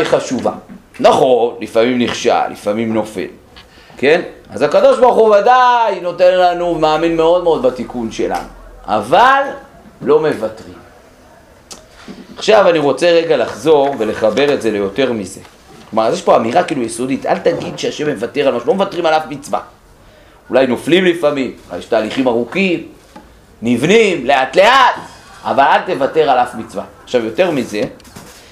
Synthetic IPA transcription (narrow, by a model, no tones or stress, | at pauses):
jχaʃuva̰naχo̞nlifamimniχʃa̰lḭfamimno̞fḛl | ke̞nazakad̪o̞ʃbaʁχuvadajno̞te̞nlanumaːminme̞o̞d̪meo̞d̪bat̪ikunʃe̞la̰nua̰valː | o̞me̞vatʁim | aχʃavaniʁo̞t͡se̞ʁeɡalaχzo̞ʁve̞le̞χabe̞ʁe̞tze̞le̞jo̞te̞ʁmize̞̰ | klomaʁazjeʃpoamiʁakiːlujeso̞dita̰ltaɡid̪ʃeaʃe̞mːe̞vate̞ʁalmaʃulomevatʁimalavmit͡sva̰ | ulajno̞flimlifamimula̰jeʃtaːliχimaʁukim | nivnimle̞atle̞atavalalte̞vate̞ʁalavmit͡sva̰ːχʃavjo̞te̞ʁmize̞